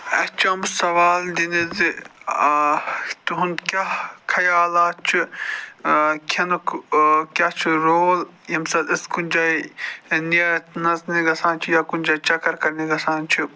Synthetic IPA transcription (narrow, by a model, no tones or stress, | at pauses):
ɐt͡ʃɐmsɐʋaːld̪inizi | t̪uɦunkʲakʰɐjaːlaːt͡ʃʰi | kʲʰɐnukkʲat͡ʃʰiɾoːljɐmsɐd̪ɪskunʲd͡ʒainiɐt̪nɐzniɡɐsaːnt͡ʃʰijaːkunʲd͡ʒat͡ʃɐkɐɾkɐɾniɡɐsaːnt͡ʃʰi